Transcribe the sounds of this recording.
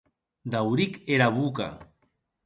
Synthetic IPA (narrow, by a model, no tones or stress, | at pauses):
d̪awɾikeɾaβuka̰